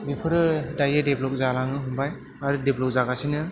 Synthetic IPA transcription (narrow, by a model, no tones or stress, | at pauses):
bipʰɯɾɯdajɯdeblɔk̚zalaŋɯɦumbaj | aɾɯdeblɔk̚zaɡasinɯ